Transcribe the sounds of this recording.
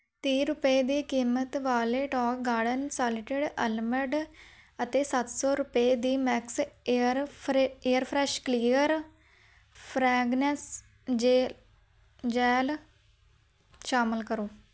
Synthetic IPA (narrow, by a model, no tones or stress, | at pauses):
t̪iːɾʊpeːd̪iːkiːmət̪ʋaːleːʈɔːkɡaːɖənsaːlɪʈɪɖəlməɾɖ | ət̪eːsət̪sɔːɾʊpeːd̪iːmɛːksɾeːəɾpʰɾɛːʃkliːəɾ | pʰɾɛːɡnɛs | d͡ʒ | d͡ʒɛːl | ʃaːməlkəɾoː